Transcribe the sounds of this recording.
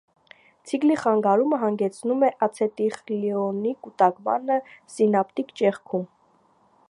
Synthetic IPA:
t͡sʰikliχɑŋɡɑɾuməɦɑŋɡɛt͡sʰnumɛʔɑt͡sʰɛt̪iχliɔnikut̪ɑkmɑ̰nəsinɑpt̪ikt͡ʃɛχkʰum

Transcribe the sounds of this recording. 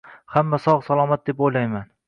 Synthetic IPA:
hamːasɒʁsalˠɒmat̪̚d̪e̞pojlajman

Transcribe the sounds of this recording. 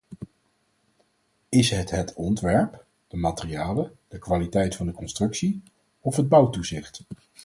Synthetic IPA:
ɪsɦətɦətɔntʋɛɹp | d̥əmaːtɪriaːləd̥əkʋaːlitɛjtfɑndəkɔnstrɵksi | ɔfɦəd̚bɑwtuzɪχt

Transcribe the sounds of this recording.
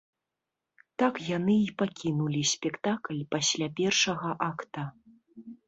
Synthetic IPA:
t̪akjanɨipakʲinulʲisʲpʲɛkt̪aklʲpasʲlʲapʲɛrʂɐɣɐʔakt̪ɐ

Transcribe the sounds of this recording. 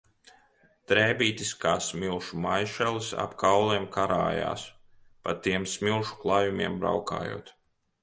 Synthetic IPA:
t̪ɾɛːbiːt̪iskaːsmilˠʃumajʃɛlisa̰pkawlˠɛɛmkaɾa̰ːja̰ːs | pat̪iɛmsmilˠʃu̥klˠaːjumʲiɛmbɾa̰wka̰ːjṵɔt̪

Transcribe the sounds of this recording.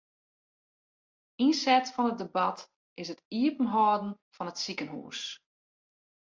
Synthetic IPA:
insɛtfɔnət̚debɑt | ʔɪsətiəpən̩ɦɔːdn̩fɔnətsikənɦṵːs

